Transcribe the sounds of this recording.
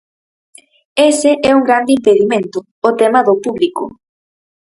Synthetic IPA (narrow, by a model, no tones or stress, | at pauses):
eseʔɛuŋɡɾand̪ɪimpeðimẽnt̪ʊːt̪ɛmɐðopuβlikʊ̰